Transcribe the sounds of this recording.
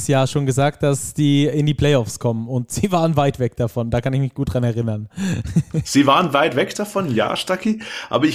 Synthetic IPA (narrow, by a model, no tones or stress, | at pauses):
sjaːɐʃoːnɡəzaːk̚t̚d̥asz̥iːɪndiːpl̥ɛɪɔfskʰɔmənʊntz̥iːvaːʁənvaɪtv̥ɛk̚d̥afɔnd̥aːkanɪçmɪçɡ̥uːt̚d̥ʁanɛɐʁɪnɐn | z̥iːvaːʁənvaɪtv̥ɛkd̥afɔnja̰ːʃtakiʔa̰ːbɐɪ